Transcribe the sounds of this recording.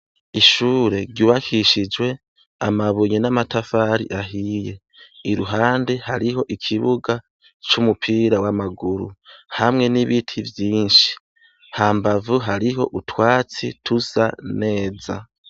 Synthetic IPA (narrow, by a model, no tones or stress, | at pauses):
iʃuːɾe̞ɾɟuːβakʰiʃid͡ʒwe̞ | amaβuɲenamatafaːɾḭʔaɦiːje̞ | iɾuɦaːndehaɾiɦo̞ʔikʰiβuɡa | t͡ʃumupʰiːɾawamaɡuɾṵhamŋe̞niβitʰivjiːnʃi̥ | haːmbavuɦaɾiɦo̞ʔutʰwaːt͡sitʰuz̥a̰ne̞ːza̰